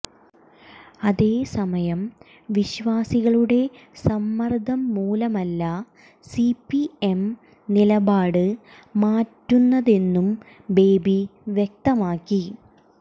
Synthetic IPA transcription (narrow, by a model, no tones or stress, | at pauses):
ɐðe̞ːsɐmɐjɐm | ʋiɕʋaːsiɣɐɭuɽe̞ | sɐmːɐrd̪ʱɐmːuːlɐmɐlːɐ | sipːiem | nilɐbaːɽɨ | maːtːunːɐðe̞nːum | be̞ːbiʋjek̚t̪ɐmaːkːi